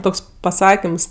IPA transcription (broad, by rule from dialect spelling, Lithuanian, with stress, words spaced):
ˈtoːks pɐˈsɑːkʲɪms